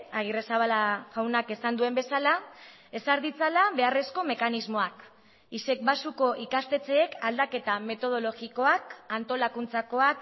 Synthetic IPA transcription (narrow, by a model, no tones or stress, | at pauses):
aɣ̞iresaβalaɣawnake̞sand̪ue̞mbe̞sala | e̞saɾðit͡salaβe̞are̞sko̞me̞kanizmo̞ak | ise̞k̚basuko̞ʔikast̪e̞t͡se̞ːkald̪ake̞t̪ame̞t̪o̞ð̞o̞lo̞ɣiko̞akant̪o̞lakunt͡sako̞ak